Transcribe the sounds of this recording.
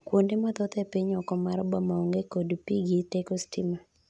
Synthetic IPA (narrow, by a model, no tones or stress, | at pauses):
kwondemɔt̪ɔt̪ɛpiɲɔkɔmaɾbamaɔŋɡekodpiɡitekɔstɪma